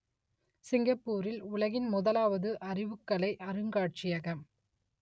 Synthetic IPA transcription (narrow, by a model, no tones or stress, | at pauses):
sɪŋɡɐpːuːɾɪlʊɭɐɣɪnmʊðɐlaːʋɐðɯʔɐrɪʋɯkːɐɭɐɪʔɐɾɯŋɡaːʈ̚t͡ʃɪjɐɣɐm